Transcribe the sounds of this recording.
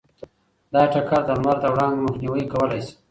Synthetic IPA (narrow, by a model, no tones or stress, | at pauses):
d̪ɑʈakaɾd̪ənmaɾt̪awɽɑnd̪emʊxniwəikawəlajsi̥